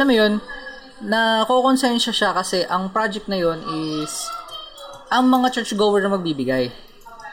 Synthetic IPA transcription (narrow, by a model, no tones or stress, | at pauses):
ʔɐlamjo̞nː | ɐko̞konsɛnʃɐʃakɐsɛʔɐŋpɾad͡ʒɛk̚t̪nɐjo̞nʔɪs | ʔɐŋmɐŋat͡ʃɛɹt͡ʃɡovɛɹnɐmɐɡ̚biːbɪɡaj